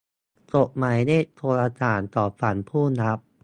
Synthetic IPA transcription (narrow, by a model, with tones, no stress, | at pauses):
t͡ɕo˨˩ʔ̚ma˨˦jdaː˥˩jt̪ʰoː˧laː˧t͡ɕaː˨˩˦nt̪ɔː˨˩fa˩˦npʰuː˥˩na˦˥p̚